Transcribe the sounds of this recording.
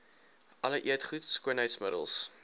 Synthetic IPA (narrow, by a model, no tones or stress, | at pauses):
ʔɐləʔiətχutskuənɦəjtsmədə̰lˠs